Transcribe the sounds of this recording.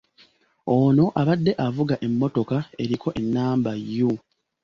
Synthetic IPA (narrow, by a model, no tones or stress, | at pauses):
ono̞ʔaβadːe̞ʔavuɡaʔe̞mːo̞to̞kae̞ɾikʰo̞ʔe̞nːaːmbajːo